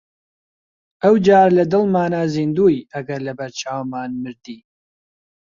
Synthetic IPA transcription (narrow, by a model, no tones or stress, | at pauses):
ʔɐwd͡ʒaːɾlɐd̪ɨlmaːnaziːnd̪uːjɐɡɐɾlɐbɐɾt͡ʃʰaːwmaːnmɨɾd̪iː